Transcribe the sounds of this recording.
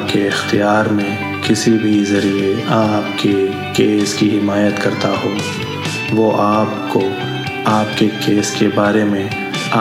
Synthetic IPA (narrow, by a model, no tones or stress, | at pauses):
pkeɪxt̪ijaːɾmẽ | kɪsibʱizɐɾieaːpke | keːskiɦɪmaːjət̪kɐɾt̪aɦoː | ʋoʔaːp̚ko | aːpkekeːskebaːɾemẽ | a